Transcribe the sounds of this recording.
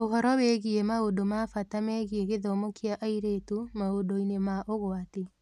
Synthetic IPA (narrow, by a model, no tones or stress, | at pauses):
oɦɔɾɔwɛɣiemaodomafatamɛːɣieɣeðɔmokiaʔaiɾeːtumaodoinemaʔoɣwate